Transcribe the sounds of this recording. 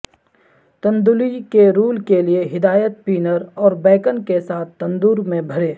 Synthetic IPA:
t̪ɐ̃nd̪ulikeɾuːlkelieɦɪd̪aːjət̪̚piːnəɾɔːɾbɛːkənkesaːt̪̚ʰt̪ːɐ̃nd̪uːɾmẽbʱɐɾeː

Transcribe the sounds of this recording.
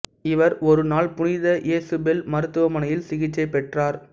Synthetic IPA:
ɪʋɐɾɔɾɯnaːɭpʊnɪðɐjeːsɯbɛlmɐɾɯt̪ːɯʋɐmɐnɐjɪlsɪɣɪt͡ʃːɐɪpːɛʈraːɾ

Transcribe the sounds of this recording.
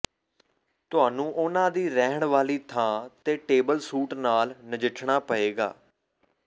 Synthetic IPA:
t̪ʊɦaːnũːʔʊnãːd̪iːɾɛːɦɳʋaːliːt̪ʰãːt̪eːʈeːbəlsuːʈnaːlnəd͡ʒɪʈʰɳaːpəeːɡa̰ː

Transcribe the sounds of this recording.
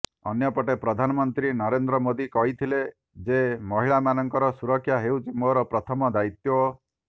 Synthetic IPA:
ɔ̰njɔpɔʈepɾɔd̪ʱanɔmɔnt̪ɾinɔɾend̪ɾɔmod̪ikɔɦit̪ʰile | d͡ʒemɔɦiɭamanɔŋkɔɾɔsuɾɔkʰːjaɦewt͡ʃimoɾɔpɾɔt̪ʰɔmɔd̪ait̪jɔ

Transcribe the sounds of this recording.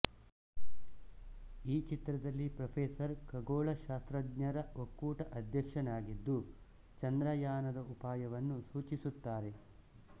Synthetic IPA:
iːt͡ʃit̪ɾɐd̪ɐlːipɾɐpʰeːsɐɾkɐɡoːɭɐʃaːst̪ɾɐd̪ɲɐɾɐokːuːʈɐʔɐd̪jɐkʂɐnaːɡid̪ːu | t͡ʃɐnd̪ɾɐjaːnɐd̪ɐupaːjɐʋɐnːusuːt͡ʃisut̪ːaːɾe̞

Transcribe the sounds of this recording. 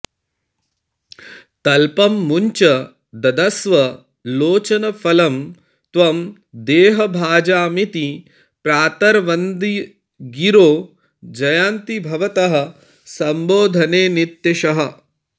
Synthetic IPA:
t̪ɐlpɐmːuɲt͡ʃɐ | d̪ɐd̪ɐsʋɐ | loːt͡ʃɐnɐfʰɐlɐm | t̪ʋɐm | d̪eːɦɐbʱaːd͡ʒaːmit̪i | pɾaːt̪ɐɾʋɐnd̪i | ɡiɾoː | d͡ʒɐjaːnt̪ibʱɐʋɐt̪ɐɦɐ̆ | sɐmboːd̪ʱɐneːnit̪ːjeʃɐɦɐ̆

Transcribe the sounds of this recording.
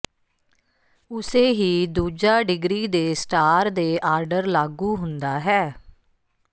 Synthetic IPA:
ʊseːɦiːd̪uːd͡ʒaːɖɪɡɾiːd̪eːsʈaːɾd̪eːʔaːɾɖəɾlaːɡuːɦʊnd̪aːɦɛː

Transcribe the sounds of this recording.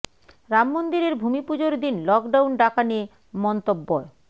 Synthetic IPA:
ɾamːond̪iɾeɾbʱumipud͡ʑoɾd̪inlɔkɖawnɖakanie | mɔnt̪obːɔe

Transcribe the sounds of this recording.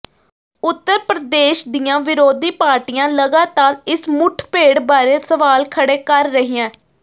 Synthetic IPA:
ʊt̪ːəɾpɾəd̪eːʃd̪ɪjãːʋɪɾoːd̪iːpaːɾʈijãːləɡaːt̪aːɾɪsmʊʈʰpeːɽbaːɾeːsəʋaːlkʰəɽeːkəɾːəɦijãː

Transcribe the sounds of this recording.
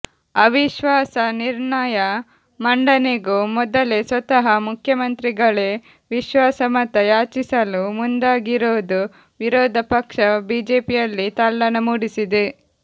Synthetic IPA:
ɐʋiʃʋaːsɐniɾɳɐjɐ | mɐɳɖɐneɡumɔd̪ɐlesʋɐt̪ɐɦɐmukʰjɐmɐnt̪ɾiɡɐɭe | ʋiʃʋaːsɐmɐt̪ɐjaːt͡ʃisɐlumund̪aːɡiɾoːd̪u | ʋiɾɔːd̪ʱɐpɐkʂɐbiːd͡ʒeːpijɐlːit̪alːɐnɐmuɽisid̪e

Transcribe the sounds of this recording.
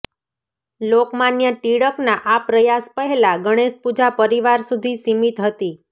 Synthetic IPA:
lokmanjəʈiɽəknaʔapɾəjaspəɦɛlaɡəɽ̃eʃpud͡ʒapəɾiʋaɾsud̪ʱisimit̪ɦət̪i

